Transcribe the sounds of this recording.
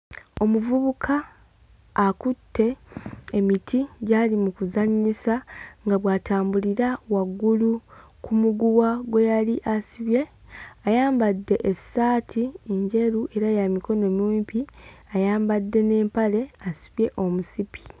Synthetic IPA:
o̞muvuβukʰaː | kutʰːe̞ː | mitʰiɟaːlimukuzaɲisaŋɡaβwaːtaːmbuliɾawaɡːulu | kʰumuɡuwaɡwe̞jaliʔasiβje̞ | ajaːmbadːe̞ʔesaːtʰieɲɟe̞ɾuʔe̞ɾajamiko̞no̞muːmpiajaːmbadːe̞ne̞ːmpale̞asi̥βje̞ʔo̞musipʰi̥

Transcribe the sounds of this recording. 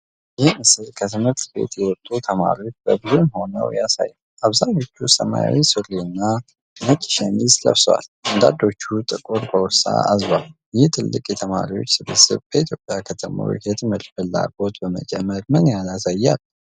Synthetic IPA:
jɪhmɨsɨlkʰət̪ʰɨmɨɾt̪ʰbe̞̰t̪ʰjɛwɔt̪ʼːut̪ʰəmaɾiwot͡ʃːbəbɨzunho̞nə̰wjasa̰jːwʔaβzaɲo̞t͡ʃːusəmajawisɨɾiɨnːa | nəkʼːi̥ʃanislə̰βswa̰land̪ad̪o̞t͡ʃːut̪ʼɨkʼuɾkəwɔsa̰azal | jɪht̪ʰɨlːɨkʼjɛt̪ʰəmaɾiwo̞̰t͡ʃːsɨβɨsɨ̰βbəit̪ʰjo̞pʼːjakʰət̪ʰəmə̰ɾṵhɛt̪ʰɨmɨɾfɨlːa̰ɡo̞t̪bəmə̰d͡ʒʼɛmːəɾmɨnjaasajːal

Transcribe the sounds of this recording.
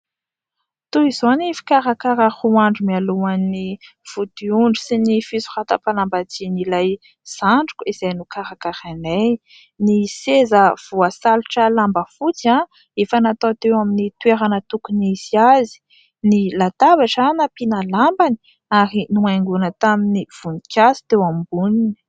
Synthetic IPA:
t̪uizonifi̥kaɾakaɾəhuaɳɖ͡ʐumialuanːi | v̥ud̪iuɳɖ͡ʐusinifisu̥rat̪apalambat͡sinilaj | z̥aɳɖ͡ʐu̥kʲiz̥ajnukaɾakaɾane | nisezəv̥uasaluʈ͡ʂəlambəfut͡sã | efənat̪at̪ewaminit̪weɾanət̪ukuniz̥iazi̥ | nilat̪abaʈ͡ʂanapinalambani̥ | aɾinuajŋɡunət̪aminiv̥unikʲasi̥t̪ewambunin

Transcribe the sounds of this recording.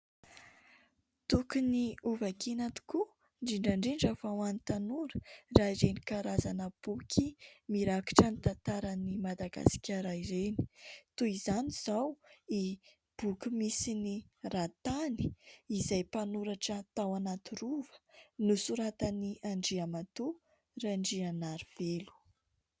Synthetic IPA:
t̪ukuniuvakinat̪u̥ku | ɳɖ͡ʐiɳɖ͡ʐaɳɖ͡ʐiɳɖ͡ʐavawanit̪anuɾə̥raiɾenikaɾazanəb̥ukʰimiɾaku̥ʈ͡ʂanit̪ant̪aɾənimad̪aɡa̰si̥kʲaɾaiɾeni̥t̪uizaniz̥awi | b̥ukumisinirat̪ani̥izajpanuɾaʈ͡ʂət̪awanat̪iɾuvə̥nusuɾat̪aniʔaɳɖ͡ʐiamat̪u | raɳɖ͡ʐianaɾiv̥elu̥

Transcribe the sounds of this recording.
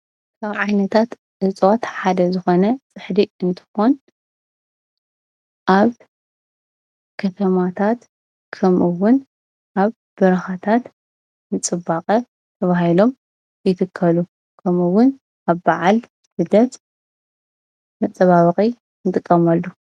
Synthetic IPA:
kʰaβʕajnɐt̪ʰat̪ | ʕɨt͡sʼot̪ħad̪ɐzɨxo̞nɐt͡sʼɨħd̪iɨnt̪ʰɨ̥xon | ʔaβ | kʰɐt̪ʰɐmat̪ʰat̪ | kʰɐmʔɨwʊn | ʔaβ | b̥ɨɾɐxat̪ʰat̪ | nɨt͡sʼɨbːaqʼɐ | t̪ʰɐβahilo̞m | jɪt̪ʰɨkʰːɐlu | kʰɐmɨwʊn | aβbaʕal | sɨd̪ɐt̪ | mɐt͡sʼɐβaβɨχʼi | nɨt̪ʼɨkʼːɐmalːu

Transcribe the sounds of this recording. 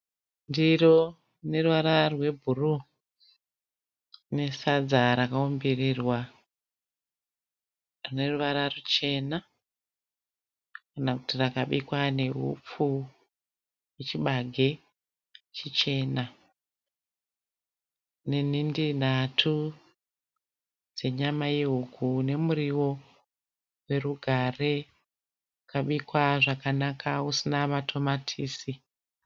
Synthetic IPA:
ndiro | ne̞ruʋaɾarwe̞bʱuru | ne̞sad͡zaɾakaombirirwa | rine̞ruʋaɾarut͡ʃe̞na | kanakutirakaɓikwane̞ɦṵp͡fu | jet͡ʃiɓaɡʱe̞ | t͡ʃit͡ʃe̞ːna | nen̤indin̤atʰu | d͡ze̞ɲamaje̞ɦuɡʱune̞muɾiwo̞ | we̞ruɡʱare̞ | kaɓikwaʐakanakausinamatʰo̞matʰiːsi

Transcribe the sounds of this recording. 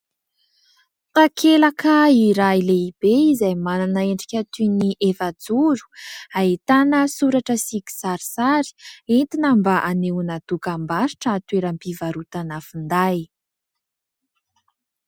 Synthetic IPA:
t̪akʰelakaiɾajileibeizajmananəeɳɖ͡ʐikʲat̪yniʔefad͡zuɾu̥ait̪anəsuɾaʈ͡ʂəsiki̥saɾisaɾi̥ent̪inambaʔanewunad̪ukambaɾi̥ʈ͡ʂəːt̪weɾəmpivaɾut̪anafund̪aj

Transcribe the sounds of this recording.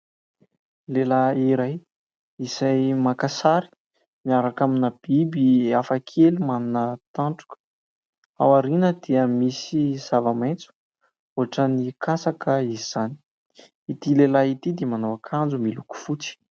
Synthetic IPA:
lelaiɾaj | isajmakasaɾi̥ | miaɾakaminəb̥ibiafakʰelumanunət̪aɳʈ͡ʂu̥kə̥ | a̰waɾinəd̪̥iəmisiz̥avament͡su̥ | oaʈ͡ʂənikasakəiziz̥ani̥ | it̪ilelait̪id̪emanowakʰand͡zumiluku̥fut͡si̥

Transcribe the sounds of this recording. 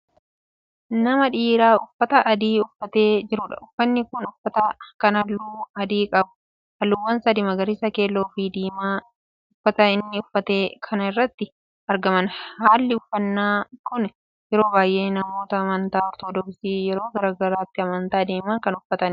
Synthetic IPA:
nɐmɐᶑiːɾaːʊfːɐt̪ɐʔɐd̪iːʊfːɐt̪e̞ːd͡ʒɪɾʊᶑɐ̰ʊfːɐnːɪkʊnʊfːɐt̪ɐkɐnɐlːuːɐd̪iːkʼɐbʊ̥ | hɐlːʊwːɐnsɐd̪ɪmɐɡɐɾisɐke̞ːlːo̞ːfiːd̪iːmaː | ʊfːɐt̪ɐɪnːɪʊfːɐt̪e̞ːkʰɐnɐɪrːɐt̪ːɪ | ɐɾɡɐmɐnhaːlːɪʊfːɐnːaːkʊn | jɛɾo̞ːbaːjʔe̞ːnɐmo̞ːt̪ɐːmɐnt̪aːɔɾt̪oːd̪ɔksiːjɛɾo̞ːɡɐɾaːɡɐɾaːt̪ːɪɐmɐnt̪aːd̪eːmɐŋkɐnʊfːɐt̪ɐn

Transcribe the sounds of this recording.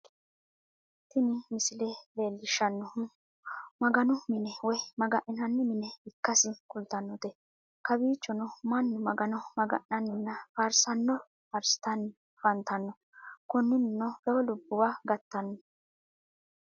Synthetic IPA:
t̪ɪnɪmɪsɪlɛbeːlːɪʃɐnːɔ | mɐɡɐnʊmɪnɛwɔjmɐɡɐʔɪnɐnːɪmɪnɛɪkːɐsɪkʊlt̪ɐnːɔt̪ɛ | kɐbiːt͡ʃːɔnɔmɐnːʊmɐɡɐnɔmɐɡɐ̰ʔːɐnːɪnːɐfɐɾsɐnːɔ | pɐɾsɪ̥t̪ɐnːɪ | fɐnt̪ɐnːɔ | kɔnːɪnɪnːɔlɔwlʊbːʊwaɡɐt̪ːɐnːɔ

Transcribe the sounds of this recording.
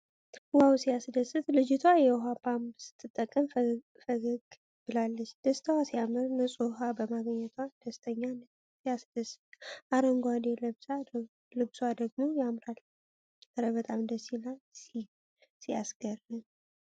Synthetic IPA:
wawsijasɨd̪əsɨt̪lɨd͡ʒɪt̪ʰwajɛwɦapʰambsɨ̥t̪ʼʰːɨt̪ʼːəkʼːəm | fəɡəɡ | b̥ɨlalːət͡ʃːd̪̥əst̪ʰəwasijamɨɾnɨsʼuɦabəmaɡəɲːɛt̪ʰwad̪̥əst̪ʰəɲːan | ijasd̪̥əsːɨ̥t̪ʔaɾəŋɡʷad̪eləbsa | lɨbsuad̪əɡ̚mojamɾal | əɾəβət̪ʼamd̪əsilasi | sijasɡərːɨn

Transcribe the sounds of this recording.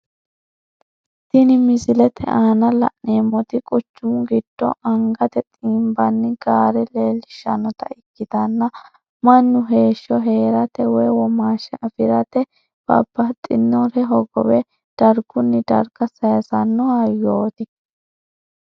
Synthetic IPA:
t̪ɪnɪmɪzɪlɛt̪ʰɛ̰ʔaːnɐlɐ̰ʔneːmːɔt̪ɪkʼɔt͡ʃːumɡɪd̪̥ːɔ̰ʔɐŋɡɐt̪ɛt̪ʼiːmbɐnːɪɡ̥aːɾɛleːlːɪʃːɐnɔt̪ɐ̰ɪkːɪd̪ɐnːɐ | mɐnːʊɦe̞ːʃːɔɦe̞ːɾɐt̪ɛwɔjwɔmaːʃɛʔɐfɪɾɐt̪ɛ | b̥ɐ̰bːɐt̪ʼːɪnːɔɾɛɦɔɡɔ̰wɛ | d̪̥ɐɾɡʊnːɪd̪ɐ̰ɾɡɐsɐjɐsɐnːʊhɐjoːt̪ɪ

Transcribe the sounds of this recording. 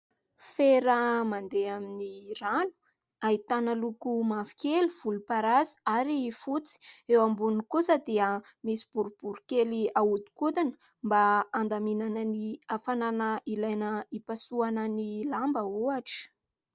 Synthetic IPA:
feɾəmand̪eaminiranu̥ | ait̪anəlukumavi̥keliv̥ulupaɾazi̥aɾifut͡si̥ewambunikusəd̪eəmisi̥b̥uɾub̥uɾukeliaud̪u̥kut̪inə̥ | mbaːnd̪aminanəniafananəʔilajnəipasuanənilambəoaʈ͡ʂə̥

